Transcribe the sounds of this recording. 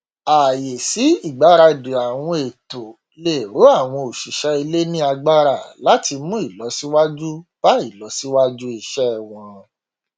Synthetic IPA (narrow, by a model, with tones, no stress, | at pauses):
a˨je˨si˨˦i˦˨ɡ͡ba˨˦ɾa˧˨de˨a˨w̃ɔ̃˧e˨to˨ | le˨ɾo˨˦a˦˨w̃ɔ̃˧o˨ʃu˨ʃɛ˦i˧le˦nĩ˦a˧ɡ͡ba˦ɾa˦˨la˨˦ti˧mũ˦i˦˨lɔ˨˦si˦wa˦d͡ʒu˦b̥a˦i˦˨lɔ˨˦si˦wa˦d͡ʒu˦i˨ʃɛ˦˨w̃ɔ̃˧